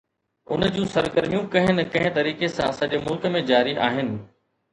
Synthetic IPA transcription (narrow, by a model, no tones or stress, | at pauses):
ʊ̰nəd͡ʑũːsɐɾɡəɾmijũkɐ̃ɦɪnɪkɐ̃ɦɪ̃t̪ɐɾiːkesãsɐ̃ʄemʊlkə̆mẽd͡ʑaːɾiʔaːɦɪnɪ̆